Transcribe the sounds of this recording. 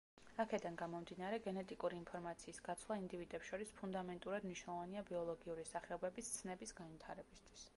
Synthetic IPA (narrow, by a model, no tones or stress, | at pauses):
akʰɛd̪anɡamɔmd̪inaɾɛɡɛnɛt̪ʼikʼuɾiːnpʰɔɾmat̪sʰiːsɡ̥at̪sʰlˠaind̪ivid̪ɛpsʃɔɾispʰund̪amɛnt̪ʼuɾad̪mniʃnlˠɔvaniabiɔlˠɔɡiuɾisaχɛɔbɛbist̪sʰnɛbisɡanvit̪ʰaɾɛbist̪ʰwi̥s